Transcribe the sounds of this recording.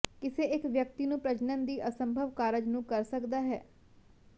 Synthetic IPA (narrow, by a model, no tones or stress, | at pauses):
kɪseːɪkʋjək̚t̪iːnũːpɾəd͡ʒnənd̪iːʔəsəmbʱəʋkaːɾəd͡ʒnũːkəɾsəkd̪aːɦɛː